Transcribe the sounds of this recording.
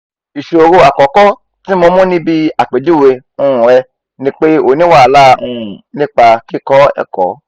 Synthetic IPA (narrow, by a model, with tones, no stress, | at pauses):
i˨ʃe˨o˧ɾo˧a˨kɔ˨˦kɔ˦ | tĩ˦mõ˧mũ˦nĩ˦bi˦a˨k͡pe˨˦du˦˨we˧ | ũ˧˨ɾɛ˧ | nĩ˦k͡pe˦o˨nĩ˦wa˦˨la˦˧ũ˧˨nĩ˦k͡pa˧ki˦˨kɔ˦ɛ̰˦˨kɔ̰˨˦